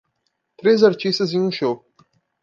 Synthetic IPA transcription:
tʰrezart͡ʃʰisɨzinuʃowpʼ

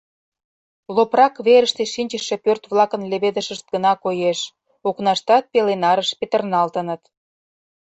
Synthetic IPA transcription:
loprɑkβeɾəʃt̪eʃinʲt͡ɕəʃːepørt̪βlˠɑkənleβed̪əʃəʃt̪̚ɡənɑkojeʃ | oknɑʃt̪ɑt̪̚pelenɑɾəʃpet̪ərnɑlt̪ənət̪

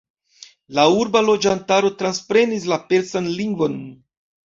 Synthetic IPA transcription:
lauɾbalo̞d͡ʒantaɾo̞tɾanspɾe̞nis̬lape̞ɾt͡sanliŋɡvo̞n

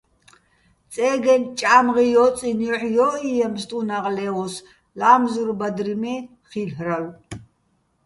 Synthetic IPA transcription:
t͡sʼɛːɡɛnt͡ʃʼaːmʁijɔt͡sʼiniɔħjɔʔijɛmst̪ʼunaʁlɛɔs | laːmzuɾbad̪ɾimɛ | χilhraw

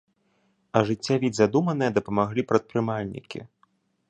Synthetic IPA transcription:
ɐʐɨt͡sʲːavʲid̪ʲzad̪umɐnɨjɐd̪ɐpɐmaɣlʲipɾɐt̪̚pɾɨmalʲnʲḭkʲḭ

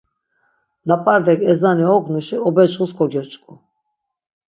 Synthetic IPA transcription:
lapʼaɾd̪ɛkʼɛzaniɔɡnuʃiɔbɛt͡ʃχuskʰɔɡɔɾt͡ʃʼkʼu

